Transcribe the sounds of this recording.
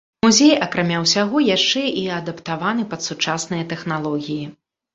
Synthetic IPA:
muzʲejɐkɾamʲawsʲaɣɔjaʂt͡ʂɛʔiɐd̪ɐpt̪avanɨpɐt̪sut͡ʂasnɨjɐt̪ɛxnalˠɔɣʲiji

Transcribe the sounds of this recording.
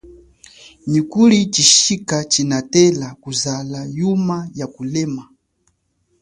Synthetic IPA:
nikuɾit͡ʃiʃikat͡ʃinatɛlakuzalajumajakulɛma

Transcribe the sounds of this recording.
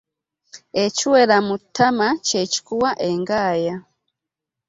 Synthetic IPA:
ecuweɾamutːamaceci̥kuwaʔeŋɡaːja

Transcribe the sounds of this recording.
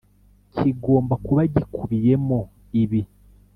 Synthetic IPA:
cʰiɡo̞ːmbakuβaɟikʰuβije̞mo | iβi

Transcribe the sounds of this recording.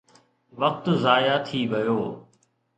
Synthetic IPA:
ʋɐq̚t̪ʊzaːjat̪ʰiːʋɐjoː

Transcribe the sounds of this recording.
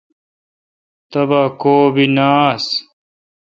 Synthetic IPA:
t̪ɐbaːkoːbinaːs

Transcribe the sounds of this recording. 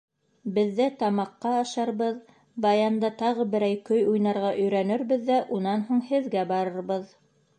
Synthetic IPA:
bɘ̆ðːæt̪ɑmɑqːɑːʃɑɾβɤð | bɑjɑnd̪ɑt̪ɑʁɤbɘ̆ɾæjkɵjujnɑɾʁɑʔɵ̆jɾænɘ̆ɾbɘðːæʔunɑnɦuɴhɘ̆ðɡæbɑɾɤ̆ɾbɤð

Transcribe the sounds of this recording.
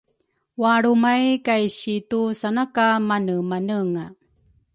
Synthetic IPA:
waɭumajkajɕitusanakamanəmanəŋa

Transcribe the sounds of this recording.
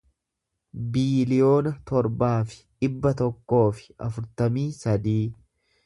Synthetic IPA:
biːlɪjo̞ːnɐt̪ɔɾbaːfɪ̥ᶑɪbːɐt̪ɔkːo̞ːfɪ̥ɐfʊɾt̪ɐmiːsɐd̪iː

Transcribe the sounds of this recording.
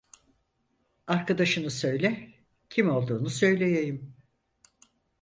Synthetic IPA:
aɾkʰad̪aʃɯnɯsø̞jlʲɛ | cʰimo̞lˠd̪uːnusø̞jlʲejejim

